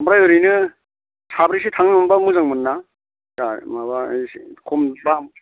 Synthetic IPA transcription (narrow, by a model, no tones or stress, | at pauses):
amɾajɯɾinɯ | tʰabɾisitʰaŋnɯnambamuzaŋmɯnːa | samabaskʰɔmba